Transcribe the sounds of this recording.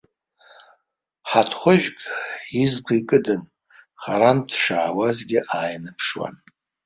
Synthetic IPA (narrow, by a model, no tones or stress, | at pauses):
ħatʰχʷʊʒᶣkʲʼizkʷʰaikʼɨdɨn | χaɾantʰʂaːwazɡʲɪʔaːjnɨpʰʂwa̰n